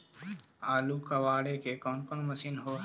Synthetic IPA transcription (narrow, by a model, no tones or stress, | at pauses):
aːluːkaʋaːɽekekɔːnkonməsiːnɦoːɦ